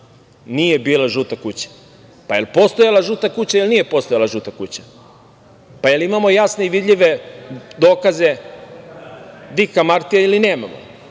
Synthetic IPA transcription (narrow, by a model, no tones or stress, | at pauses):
nije̞biːlaʒut̪akut͡ɕḁ | pajelpo̞st̪ojalaʒut̪akut͡ɕaelnije̞po̞st̪ojalˠaʒut̪akut͡ɕḁ | pajelimamo̞jasne̞iʋid̪ʎiʋed̪oːkaze | d̪ikamaɾt̪ijailine̞ːmamo̰